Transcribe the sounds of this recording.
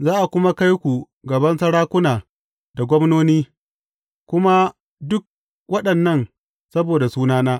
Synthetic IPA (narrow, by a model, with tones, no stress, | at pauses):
zaː˦ʔa˨kʷʊ˦ma˦ka˦jkʷu˨ | ɡɐ˨bɐ˦nsɐ˦ɽaː˦kʷʊ˦naː˨ | da˨ɡʷɔ˦mnoː˦niː˦ | kʷʊ˦ma˦ | dʊ˦k̚ | wɐ˦ɗɐ˨nːɐ˦˨n | sɐ˦boː˨da˨suː˦naː˦naː˦